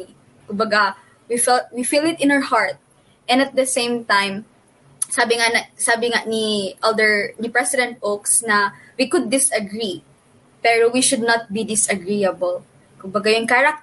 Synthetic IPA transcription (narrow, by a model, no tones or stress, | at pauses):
kʊmbɐɡa | wifɛlt̪̚wifilˠd̪ɪt̪ɪ̃nawəɹhaɹt̪̚ | ʔɛ̃nɐt̪̚d̪ɐsẽjmt̪ãjm | saːbɪŋanɐsaːbɪŋaniʔɛld̪ɛɹnɪpɹɛsɪd̪ɛ̃nt̪̚ʔoksnɐ | wikʊd̪̚ːɪsɐɡɹi | pɛɹowiʃʊd̪̚nɐt̪̚bid̪ɪsɐɡɹiɐbɐl | kʊmbɐɡajʊŋkaɾɐk̚